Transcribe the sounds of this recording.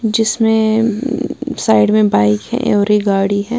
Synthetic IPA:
d͡ʒɪsmẽ | saːɪɖmẽbaːɪkɦɛ̰̃ʔːɾiɡaːɽiɦɛ̃ː

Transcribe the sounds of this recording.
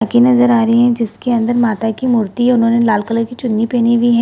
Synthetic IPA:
akinɐzəɾaːɾɐiɦɛ̃d͡ʒɪskeɐ̃nd̪əɾmaːt̪akimʊɾt̪iʊnɦõːnelaːlkələɾkit͡ʃʊnːipeːnibʱiɦɛ̃

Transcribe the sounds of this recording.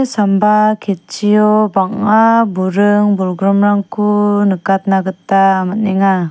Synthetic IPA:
sambakʰet̚t͡ʃijɔbaŋabuɾɯŋbulɡɾɔmɾaŋkʰunɯkat̪̚naɡɯtːaːmat̚nɛŋa

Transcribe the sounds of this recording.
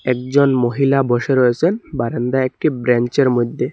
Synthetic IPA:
ɛkd͡ʑonmoɦilaboʃeɾɔjet͡ɕʰenbaɾend̪aɛk̚ʈibɾɛnt͡ɕeɾmojd̪ʱːe

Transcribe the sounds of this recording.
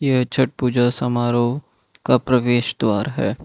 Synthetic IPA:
jet͡ʃʰɐʈ̚puːd͡ʒasɐmaːɾo | kapɾɐʋeːʃd̪waːɾɦɛ̰ː

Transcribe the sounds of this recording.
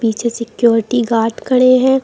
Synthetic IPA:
piːt͡ʃʰesɪkjoːɾɪʈiɡaːʈkɐɽeɦɛ̃ː

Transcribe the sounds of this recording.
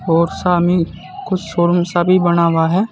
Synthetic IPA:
ɔːɾsaːmi | kʊt͡ʃʰsoːɾmsabʱibɐñaːwaɦɛː

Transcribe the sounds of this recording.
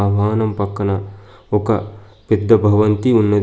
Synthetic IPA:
aːʋaːnɐmpɐkːɐnaokɐ | pɪd̪ːɐbʱɐʋɐnt̪iʊnːɐd̪

